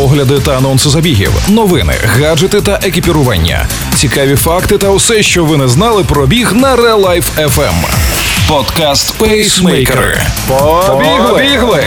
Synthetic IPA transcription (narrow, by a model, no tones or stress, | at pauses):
pɔɦlʲɐd̪ɪt̪ɐːnɔnsɪzɐbʲiɦʲḭwnɔʋɪnɪ̰ɣad͡ʒɪt̪ɪt̪ɐʔekʲipʲiɾʊʋɑ̰nʲːɐ̰ | t͡sʲikɑʋʲifɑkt̪ɪt̪ɐwsɛʃt͡ʃɔʋɪnɛznɑlˠɪpɾɔbʲiɣnɐɾɛlˠajfɛfɛ̰m | pɔd̪kast̪psmɛjjkɾɪ̰ | ɔbʲiɦlˠiɦlˠɪ